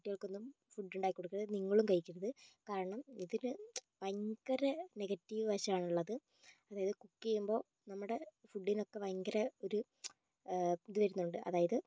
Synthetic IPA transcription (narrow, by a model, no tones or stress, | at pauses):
ʈːijɐɭkːonːum | fuɖːuɳɖaːjikːoɽukːirɐðniŋːɐɭumkɐjikʲːuɾɐðɨkaːɾɐɳɐmiðinɨʋɐjŋɡɐɾɐne̞ɡɐtːiʋɨʋɐɕɐmaːɳuɭːɐðɨ | ɐðaːjɐðɨkukːejumbo̞ː | nɐmːuɽe̞fuɖːino̞kːe̞ʋɐjŋɡɐɾɐo̞ɾu | iðɨʋɐɾunːuɳɖɨʔɐ̰ðaːjɐðɨ